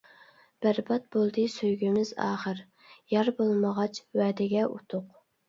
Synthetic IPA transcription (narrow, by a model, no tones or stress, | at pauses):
b̥æɾbɑt̪̚bolˠd̪ɨsøjɡʲymɪzɑ̰ːχəɾ | jɑɾbolˠməʁɑt͡ʃʰwɛːd̪ɪɡʲɛʔṵt̪ʰʊq